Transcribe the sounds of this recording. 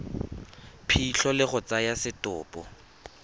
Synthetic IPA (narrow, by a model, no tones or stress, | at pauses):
pʰiɬʰɔlɪɣʊt͡sajasɪtʼʊ̰ːpʼɔ̰